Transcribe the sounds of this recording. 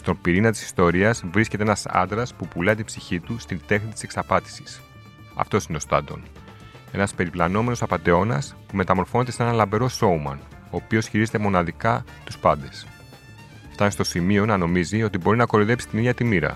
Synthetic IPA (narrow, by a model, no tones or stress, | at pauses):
st̪o̞mpiɾinɐt̪i̥si̥st̪o̞ɾiɐzvɾiskʲe̞t̪eenɐsɐ̰nd̪ɾɐspupulɐt̪ibsiçit̪ust̪ind̪e̞xnit̪i̥se̞ksɐpɐt̪i̥si̥s | ɐ̰ft̪o̞sineost̪ɐ̰nd̪o̞̰n | e̞nɐspe̞ɾiplɐno̞me̞no̞sɐpɐnd̪e̞o̞nɐ̰spume̞t̪ɐmo̞ɾfo̞net̪eseenɐlɐmbe̞ɾo̞so̞umɐ̰n | o̞ːpio̞sçiɾize̞t̪e̞mo̞nɐðikɐ | t̪uspɐnd̪e̞s | ft̪ɐnst̪o̞simio̞nɐno̞mizio̞t̪ibo̞ɾinɐko̞loðe̞psi̥t̪inijɐt̪imiɾɐ̰